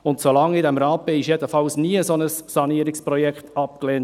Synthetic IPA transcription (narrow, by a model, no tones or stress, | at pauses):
ʊntsolɑŋɪd̪ɛmɾɑːpeɪʃjɛd̪əfɑlsniəəsɔnəsːɑniəɾɪkspɾɔjɛkχtɑp̚kleːn